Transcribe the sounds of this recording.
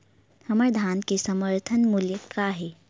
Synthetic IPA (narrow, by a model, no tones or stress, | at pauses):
hɐməɾd̪ʱaːnkesəməɾt̪ʰənmuljəkaɦe